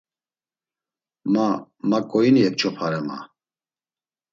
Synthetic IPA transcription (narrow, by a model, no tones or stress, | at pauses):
mamakʼɔjinijɛk̚t͡ʃʰɔpʰaɾɛma̰